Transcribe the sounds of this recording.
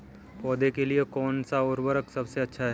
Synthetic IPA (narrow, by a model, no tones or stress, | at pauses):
pɔːd̪ekeliekɔːnsaʊːɾwəɾəksɐbseɐtːʃʰaɦɛ